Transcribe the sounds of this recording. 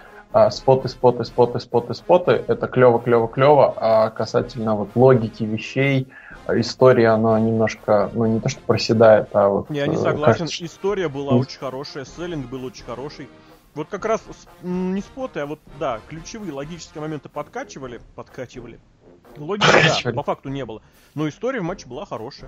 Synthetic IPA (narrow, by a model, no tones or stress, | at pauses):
aspo̞t̪ɨspo̞t̪ɨspo̞t̪ɨspo̞t̪ɨspo̞t̪ɨʔɛt̪əklʲo̞vəklʲo̞vəklʲo̞vəʔakɐsa̰tʲɪlʲnəvo̞t̪lˠo̞ɡʲɪkʲɪvʲɪɕːej | ɪst̪o̞ɾʲɪjəɐnanʲɪmno̞ʂkənunʲɪt̪o̞ʂt̪opɾəsʲɪd̪ajɪt̪avo̞̰t̪janʲɪsɐɡlˠkasʲnɪst̪o̞ɾʲɪjəbɨlˠaot͡ɕɪ̥nʲxɐɾo̞ʂəjəsɛlʲɪnɡbɨlˠot͡ɕɪnʲxɐɾo̞ʂɨj | vo̞t̪̚kɐkɾassnunʲɪspot̪əɐvo̞t̪̚d̪aklʲʉt͡ɕɪvɨjəlˠɐɡʲit͡ɕɪ̥skʲɪəmɐmʲe̞nt̪ɨ̥pɐt̪kat͡ɕɪvəlʲɪpɐt̪kat͡ɕɪvəlʲɪ | lˠoɡʲɪpɐkad̪ɪvəlʲpɐfak̚t̪ʊnʲe̞bɨlˠə | no̞ɪst̪o̞ɾʲɪəvmat͡ɕːɪbɨlˠaxɐɾo̞ʂɨjə